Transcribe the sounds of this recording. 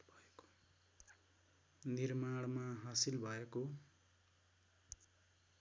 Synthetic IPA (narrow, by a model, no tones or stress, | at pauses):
bʱʌeko̥ | nirmaɽmaɦasilbʱʌeko